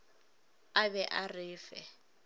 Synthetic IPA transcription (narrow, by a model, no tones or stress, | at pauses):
abɛʔarɪːfɛ